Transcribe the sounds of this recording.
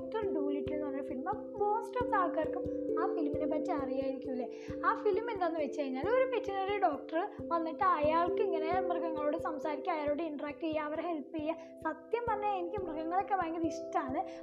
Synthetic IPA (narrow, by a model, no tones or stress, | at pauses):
k̚ʈɐrɖuːliʈːuɳːɨʋɐnːɐfilmɐ | po̞ːsʈɐːʋsaːlkaːrkːɨmaːfilminepɐtːɨɐrijaːjiɾikʲːumilːe | aːfilmend̪aːnːɨʋet͡ɕːɐɾiɲːaːlo̞ɾupetːinriɖoːk̚ʈɐrɨʋɐnːiʈːɨɐjaːɭkɨiŋːɐnemrɨɡɐŋːɐɭoːɽesɐmsaːɾikʲːuɐjaːɭoːɽeiɳɖɐraːk̚ʈijːaɐʋɐɾehe̞lpːijːa | sɐt̪jɐmt̪ɐnːeːnikʲːɨmrɨɡɐŋːɐɭo̞kːeʋaːɐŋɡiɐðiʂʈɐaːɳɨ